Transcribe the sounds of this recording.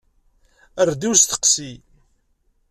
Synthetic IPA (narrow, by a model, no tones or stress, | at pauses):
əɾd̪ust̪ə̥qsi